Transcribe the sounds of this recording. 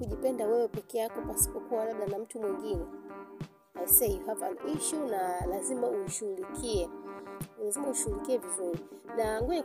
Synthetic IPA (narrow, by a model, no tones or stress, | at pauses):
kuʄipɛndawɛwɛpɛkɛjakɔpasi̥pɔkuwalaɓlanam̩tumwiŋɡinɛ | aisɛjuhapa̰nʔiʃunalazimauʃuulikʰiɛ | lazimauʃuulikiɛvizuɾi | naŋɡuɲa